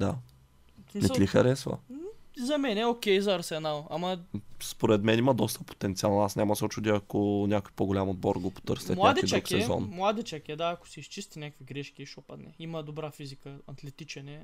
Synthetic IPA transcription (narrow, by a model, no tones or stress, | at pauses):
d̪a | sminɛslixɐɾɛsvə̰zɐmɛnɛokʲɛjzɐɐɾsɛnalˠɐ̰mɐspoɾɛt̪mɛnimɐd̪ɔst̪əpo̥t̪ɛnt̪sialˠnasnʲamɐsot͡ʃud̪iɐkonʲakojpoɡolʲamod̪̚bɔɾɡɔpo̥t̪ɤɾsɛmlˠad̪iidt͡ʃ̪aukksɛɛzɔ̰nmlˠad̪it͡ʃakʲɛd̪aɐko̥sɛist͡ʃist̪inʲakkvʲiɡɾɛʃkʲiːʃɔpɐt̪nɛimɐd̪obɾafizikəɐt̪lɛt̪it͡ʃɛnɛ